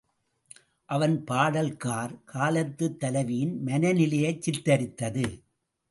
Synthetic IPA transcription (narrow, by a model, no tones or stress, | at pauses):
ʔɐʋɐnpaːɽɐlkaːɾkʰaːlɐt̪ːɯt̪ːɐlɐʋijɪnmɐnɐnɪlɐjɐɪt͡ʃːɪɾt̪ɐɾɪt̪ːɐðɯ